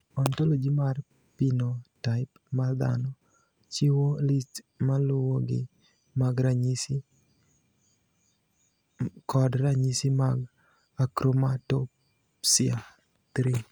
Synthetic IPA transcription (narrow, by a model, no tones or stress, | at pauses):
ɔntolod͡ʒimar | pinotaɪp | mad̪a̰nɔ | t͡ʃɪwolist | malʊwoɡɪ̰ | maɡɾaɲisi | kɔdɾaɲisimaɡ | akɾomatop | sɪa | t̪ɾi